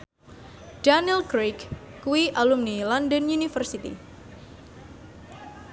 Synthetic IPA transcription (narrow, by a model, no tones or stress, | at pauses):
d̥anilkɾikːuiʔalumnilɔndənjunifərsit̪ḭ